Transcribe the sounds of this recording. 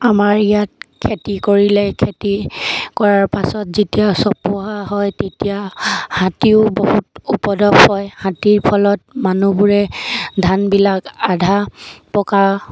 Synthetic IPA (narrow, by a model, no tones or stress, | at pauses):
amaɹijat̚kʰetikoɹilɛkʰetikɔɹaɹpasɔtzitijasɔpʊɦaɦɔjtetijahãtiʊbohutupɔdɔphɔjhãtiɹpʰɔlɔt̚manubuɹɛdʱanbilakadʱapɔkaɹ